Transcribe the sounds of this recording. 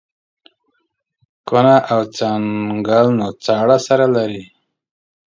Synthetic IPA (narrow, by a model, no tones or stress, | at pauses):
konaʔawt͡saŋɡalnot͡sɑɽasaɾalaɾi